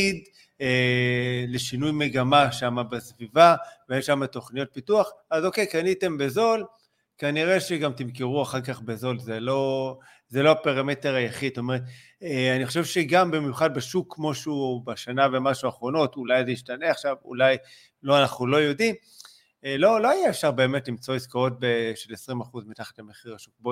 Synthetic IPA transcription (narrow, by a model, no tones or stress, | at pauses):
id̪ | e | le̞ʃinujme̞ɡamaʃamabesvivaveemʃamat̪o̞χnijo̞t̪̚pituaχazo̞ke̞jkanite̞mbezo̞l | kaniʁe̞ʃe̞ɡamt̪imkeʁuaχaʁkaχbezo̞lzelo̞ | zelo̞apeʁamete̞ʁajaχid̪̚stome̞ʁet̪̚ | eaniχoʃevʃe̞ɡambimjuχad̪̚beʃukːmo̞ʃubaʃanavemaʃuaχʁo̞no̞tulajzejiʃtaneaχʃavṵlaj | lo̞anaχnulo̞jo̞dim | lo̞lo̞ajaefʃaʁbe̞ːmetlimt͡so̞iskoo̞t̚beʃe̞lesʁimaχuzmit̪aχḁtlame̞χiʁaʃuk̚bo